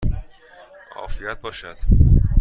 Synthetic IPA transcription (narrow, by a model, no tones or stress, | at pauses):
ʔɒ̰ːfijæt̪̚bɒːʃæd̪̥